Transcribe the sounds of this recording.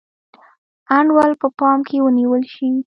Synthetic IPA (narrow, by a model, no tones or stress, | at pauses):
aɳɖwalpəpɑmkʰewəniwəlʃi